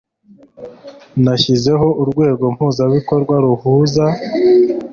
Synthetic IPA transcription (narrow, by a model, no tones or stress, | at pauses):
naçize̞ɦo̞ʔuɾɡwe̞ːɡo̞m̥huːzaβikoɾɡwaɾuhuːza